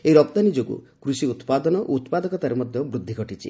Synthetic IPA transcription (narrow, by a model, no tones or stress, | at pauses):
eiɾɔpt̪anid͡ʒoɡṵkɾusiut̪pad̪ɔnɔʔo̰ut̪pad̪ɔkɔt̪aɾemɔd̪ʱjɔbɾud̪ʱːiɡʱɔʈit͡ʃʰḭ